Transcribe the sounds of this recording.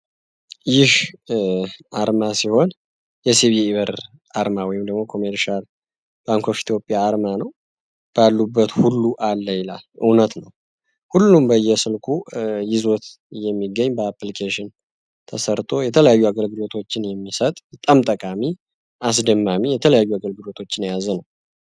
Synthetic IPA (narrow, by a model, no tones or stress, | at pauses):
jɪh | aɾmasiho̞n | jɛsiβiːβəɾ | ʔaɾmawɔjɪmd̪əɡmo̞kʰo̞meɾʃal | b̥aŋkʰo̞fi̥t̪ʰjo̞pʼːjaːɾmanəw | b̥alːubːət̪hulːuʔalːəjɪla̰lʔɨ̰wnət̪nəw | hulːumbəjːɛsɨlkʰujɪzo̞t̪ | jɛmːiɡːəɲːbəaplikʰeʃɪn | t̪ʰəsəɾt̪ʼʰo̞jɛt̪ʰələjajːuaɡəlɡɨlo̞t̪ʰo̞t͡ʃːɪnjɛmːisət̪ʼbət̪ʼamt̪ʼəkʼami | ʔas̬d̪əmːamijɛt̪ʰələjajːuaɡəlɡɨlo̞t̪ʰo̞t͡ʃːɪnjazənəw